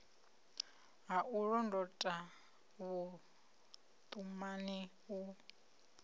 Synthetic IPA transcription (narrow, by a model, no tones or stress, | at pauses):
ɦaʔuɺɔndɔtʼa | βu | t̪ʼumani | u